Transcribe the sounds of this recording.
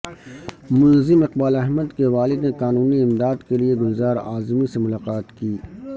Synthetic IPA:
mʊnzɪmɪqbaːlɐɦməd̪keʋaːlɪd̪neqaːnuːniɪmd̪aːd̪kelieɡʊlzaːɾaːzmisemʊlaːqaːt̪kiː

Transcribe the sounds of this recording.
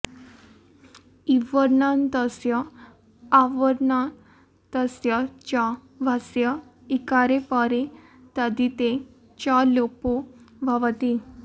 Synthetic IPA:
iʋəɾnãnt̪əsjaː | ʋəɾna | t̪əsjat͡ɕa | ʋʱasja | ikaɾepaɾe | t̪ad̪it̪e | t͡ɕalopoʋʱaʋat̪i

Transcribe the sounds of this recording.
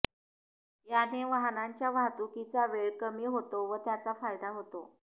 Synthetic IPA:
janeʋaɦnaɲt͡ɕjaʋat̪ukit͡saʋeɭkəmiːɦot̪oʋət̪jat͡safajd̪aɦot̪o

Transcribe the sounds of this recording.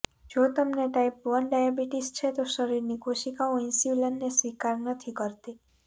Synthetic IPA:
d͡ʒot̪əmneʈaipʋənɖajabiʈist͡ʃʰet̪oʃəɾiɾnikʰoʃikaoinsulənːesʋikaɾnət̪ʰikəɾt̪e

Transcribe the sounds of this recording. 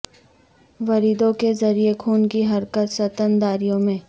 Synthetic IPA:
ʋɐɾid̪õkezɐɾiekʰuːnkiɦɐɾkət̪sɐt̪ənd̪aːɾijõmẽː

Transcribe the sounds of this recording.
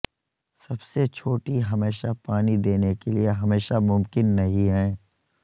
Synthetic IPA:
sɐbset͡ʃʰoːʈiɦɐmeːʃapaːnid̪eːnekelieɦɐmeːʃamʊmkɪnːɐɦĩɦɛ̃ː

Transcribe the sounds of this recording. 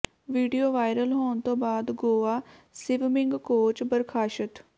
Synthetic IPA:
ʋiːɖijoːʋaːɪɾəlɦoːɳt̪õːbaːd̪ɡoːaːsɪʋmɪ̃ŋɡkoːt͡ʃbəɾkʰaːʃət̪

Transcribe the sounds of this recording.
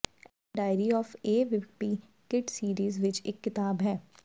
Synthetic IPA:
ɛ | ɖaːɪɾiɔːfeːʋɪpi | kɪʈsiːɾiːzʋɪt͡ʃeːkːɪt̪aːbɦɛː

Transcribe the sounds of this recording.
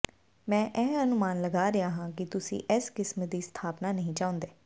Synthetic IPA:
mɛ̃ːʔɛ̃ːənʊmaːnləɡaːɾɪaːɦãːkɪt̪ʊsḭ̃ːʔɛskɪsmd̪iːst̪ʰaːpnaːnəɦĩːt͡ʃaːʊ̃nd̪eː

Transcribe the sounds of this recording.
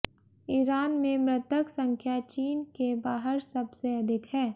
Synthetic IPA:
iːɾaːnmẽmɾɪt̪əksə̃ŋkʰjat͡ʃiːnkebaːɦəɾsɐbseɐd̪ʱɪkɦɛː

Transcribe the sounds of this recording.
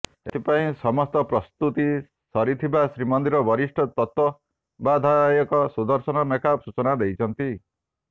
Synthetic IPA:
ḛt̪ʰipaĩsɔmɔst̪ɔpɾɔst̪ut̪i | sɔɾit̪ʰibasɾimɔnd̪iɾɔbʱɔɾisʈʰɔt̪ɔt̪wɔ | bad̪ʱajɔkɔsud̪ɔɾsɔnɔnekasut͡ʃɔnad̪ejt͡ʃʰɔnt̪i

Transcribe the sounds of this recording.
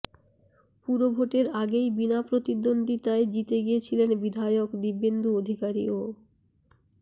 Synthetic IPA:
puɾobʱoʈeɾaɡejbinapɾot̪id̪ond̪it̪aed͡ʑit̪eɡijet͡ɕʰilenbid̪ʱajokd̪ibːend̪uod̪ʱikaɾḭo

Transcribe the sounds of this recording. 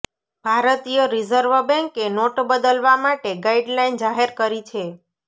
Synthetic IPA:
bʱaɾət̪ijoɾizəɾʋəbɛ̃ŋkenoʈbəd̪əlʋamaʈeɡaiɖlaind͡ʒaɦeɾkəɾit͡ʃʰe

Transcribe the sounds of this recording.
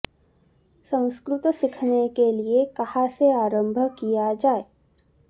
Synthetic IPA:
sə̃w̃skɾʊt̪sɪkʰnekeliekɐhaseaːɾə̃mbʱəkijad͡ʒaːe

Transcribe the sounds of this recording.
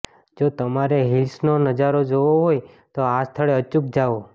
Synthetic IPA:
d͡ʒot̪əmaɾeɦilsnonəd͡ʒaɾod͡ʒoʋoɦoj | t̪oast̪ʰəɭeət͡ʃuk̚d͡ʒaʋo

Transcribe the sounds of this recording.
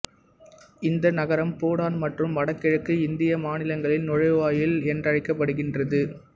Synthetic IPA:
ɪnd̪ɐnɐɣɐɾɐmpoːɽaːnmɐʈrɯmʋɐɽɐkːɐɻɯkːɯɪnd̪ɪjɐmaːnɪlɐŋɡɐɭɪnnɔɻɐɪʋaːjɪlɛndrɐɻɪkːɐpːɐɽɯɣɪndrɐðɯ

